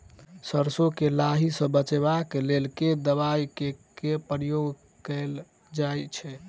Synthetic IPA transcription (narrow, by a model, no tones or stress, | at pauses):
səɾsokelaɦisə̃bət͡ʃebaklelked̪əβajkekepɾijoɡ | kɛl | d͡ʒajt͡ʃʰɛ